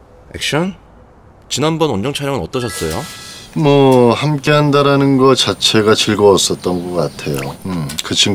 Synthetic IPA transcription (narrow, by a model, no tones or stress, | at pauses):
ḛk̚ɕ͈ʌn | t͡ɕinanbʌnʌnd͡ʑʌŋt͡ɕʰaɾjʌŋɯnʌt͈ʌɕʰʌs͈ʌjomwʌhamk͈e̞ɦandaɾanɯnɡʌt͡ɕat͡ɕʰe̞ɡat͡ɕɯɭɡʌːs͈ʌt̚t͈ʌnɡʌkk͈atʰe̞jokɯt͡ɕʰiŋ